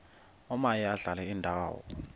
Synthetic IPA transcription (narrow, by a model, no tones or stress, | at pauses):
ɔmajiaɮalɛindʱaːwɔ̰